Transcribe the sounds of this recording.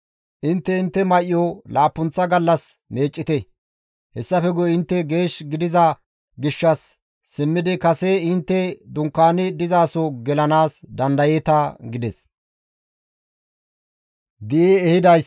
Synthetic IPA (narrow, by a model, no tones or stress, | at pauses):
ʔɪnt̪ːɛɪnt̪ːɛmɐʔɪjɔlaːpːʊnt͡sːɐɡɐlːɐsme̞ːt͡ʃʼːɪt̪ɛ | hɛsːɐfɛɡɔɪnt̪ːɛɡe̞ːʃɡɪd̪ɪzɐ | ɡɪʃːɐsː | ɪmːɪd̪ɪkɐseɪnt̪ːɛd̪ʊŋkːaːnɪd̪ɪzaːsɔɡɛlɐnaːsd̪ɐnd̪ɐjet̪ɐɡɪd̪ɛs | d̪ɪʔiɛhɪd̪ɐj